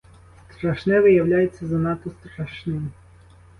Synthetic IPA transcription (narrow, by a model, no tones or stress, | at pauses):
st̪ɾɐʃnɛʋɪjɐwlʲajet͡sʲːɐzɐnɑt̪ɔst̪ɾɐʃnɪm